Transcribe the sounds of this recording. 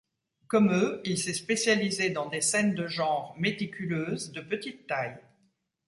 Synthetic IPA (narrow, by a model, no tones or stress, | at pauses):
kɔmøilsɛspesjalized̪ɑ̃d̪esɛnd̪əʒɑ̃ʁmet̪ikʲyløːzd̪əpət̪it̪ːaj